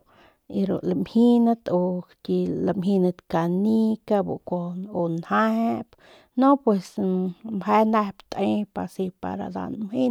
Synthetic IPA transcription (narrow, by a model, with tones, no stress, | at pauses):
i˧ɾṵlamhi˦nat̪o˧tʲi˧la˧mɦi˧na˧t̪ka˨ni˦ka˧bṵ˨koonha˦ep | no˦pwe˧smhe˦na˧hpt̪e˦pa˨si˧pa̰˨ɾa̰d̪a̰˨nmhi˦n